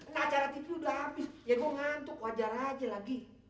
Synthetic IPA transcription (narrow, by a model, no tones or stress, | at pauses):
naːt͡ʃaɾat̪ipiudaabɪsjaɡuaŋant̪ukuad͡ʒaɾad͡ʒalaɡi